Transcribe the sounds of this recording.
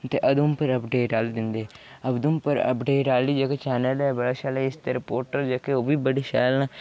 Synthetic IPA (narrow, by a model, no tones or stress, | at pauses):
t̪eːʔəd̪umpəɾəpɖeːʈaːld̪ɪnd̪eː | əbd̪umpəɾə̰pɖeːʈaːliːd͡ʒaːkeːt͡ʃɛːnəlɛːbəɽaːʃaːleɪst̪eːɾɪpoːɾʈəɾd͡ʒaːkeoːbiːbəɽiːʃaːlnãː